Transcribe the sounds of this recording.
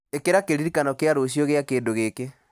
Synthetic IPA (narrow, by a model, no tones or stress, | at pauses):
ekeɾakeɾiɾikanɔkeaɾoɕ̬ijɔɣeakeːndoɣeke